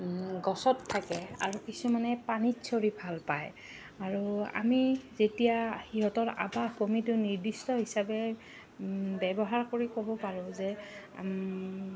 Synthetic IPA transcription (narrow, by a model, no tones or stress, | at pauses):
ɡɔsɔtʰːakɛa̰ɹukisumanɛpanitsʰoɹibʱalpaj | aɹua̰mizetijahiɦɔtɔɹa̰bakomitʊniɹdistɔɦisabɛ | bɛbɔɦaɹkoɹikobɔpaɹʊ̃zɛ